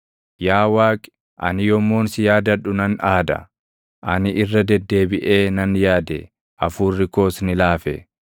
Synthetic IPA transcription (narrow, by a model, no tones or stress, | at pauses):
jaːwaːkʼɪ̥ | ʔɐ̰nɪjɔmːoːnsɪjaːd̪ɐᶑʊnɐnaːd̪ɐ̰ | ʔɐnɪʔɪrːɐd̪ɛd̪ːe̞ːbɪʔe̞ːnɐnjaːd̪e | ʔɐfuːrːɪko̞ːsnɪlaːfɛ̰